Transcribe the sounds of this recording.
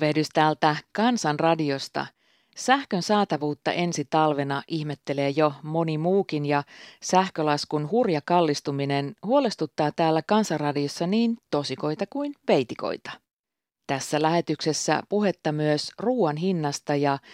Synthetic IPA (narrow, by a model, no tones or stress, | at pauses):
ʋedyst̪æːlt̪ækɑnsɑnrɑdio̞st̪ɑ̰ | sæhkø̞nsɑːt̪ɑʋuːt̪ːɑ̰ʔe̞nsit̪ɑlʋe̞nɑʔihmet̪ːe̞le̞ːjomo̞nimuːkinjɑsæhkølɑskunhurjɑkɑlːist̪umine̞nhuo̞le̞st̪ut̪ːɑːt̪æːlːækɑnsɑnrɑdio̞sːɑniːnt̪o̞siko̞jt̪ɑkujnʋe̞jt̪iko̰jt̪ɑ̥ | t̪æsːælæhe̞t̪ykse̞sːæ̰puɦe̞t̪ːɑmyøsruːɑnɦinːɑst̪ɑjɑ